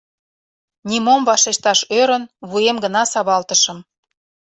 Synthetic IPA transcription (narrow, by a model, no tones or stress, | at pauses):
nʲimomvɑʃeɕt̪ɑʃøɾə̆nβujemɡə̆nɑsɑβɑlt̪ə̆ʃə̆m